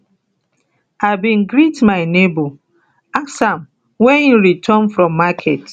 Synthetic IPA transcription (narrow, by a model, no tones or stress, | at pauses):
abĩnɡɾitmaɪnebo | aksãm | wɛĩnɹitʰɔnfɹɔ̃mːakʰɛt